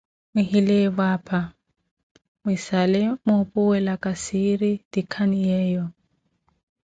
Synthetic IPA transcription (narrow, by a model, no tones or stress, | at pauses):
mɪhilebwaːpʰʼa | mwisalemʊpʼʊwɛlakʼasiɾid̥ikʰanijɛːjɔ